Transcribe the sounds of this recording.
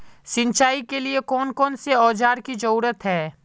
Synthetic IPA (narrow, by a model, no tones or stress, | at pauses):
sɪ̃nt͡ʃaːikeliekɔːnkɔːnseɔːd͡ʒaːɾkid͡ʒɐɾuːɾət̪ɦɛː